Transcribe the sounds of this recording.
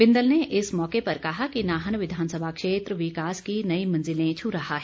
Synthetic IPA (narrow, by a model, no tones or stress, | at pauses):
bɪ̃nd̪əlneʔɪsmɔːkepɐɾkɐɦakinaːɦənʋɪd̪ʱaːnsəbʱakʃeːt̪ɾəʋɪkaːskinɐimɐ̃nzɪlẽt͡ʃʰʊɾɐɦaɦɛː